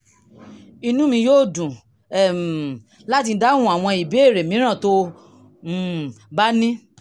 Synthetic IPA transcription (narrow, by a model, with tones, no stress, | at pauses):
i˧nũ˦mĩ˧joː˦˨dũ˨ | ɛ˨ | la˦t̬i˧n̩˦da˦wũ˦a˨w̃ɔ̃˧i˨be˨˦e˦˨ɾe˨mĩ˨˦ɾ̃ã˦˨to˦˨ | ba˦nĩ˦